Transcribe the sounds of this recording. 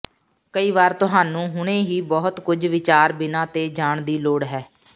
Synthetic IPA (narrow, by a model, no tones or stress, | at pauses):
kəiːʋaːɾt̪ʊɦaːnũːɦʊɽ̃eːɦiːbɔːt̪kʊd͡ʒʋɪt͡ʃaːɾbɪnãːt̪eːd͡ʒaːɳd̪iːloːɽɦɛː